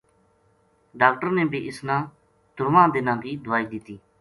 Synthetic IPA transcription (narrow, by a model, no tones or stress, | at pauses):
ɖaːkʈəɾnẽːbʱiːʔɪsnãː | d̪ʊɾʋãːd̪ɪnãːkiːd̪ʊaːiːd̪ɪt̪iː